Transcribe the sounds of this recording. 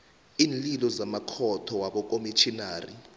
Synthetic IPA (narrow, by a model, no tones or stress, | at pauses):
iːnlilɔzamakʰɔtʰɔwaɓɔk̬ʼomit͡ʃʰinaːri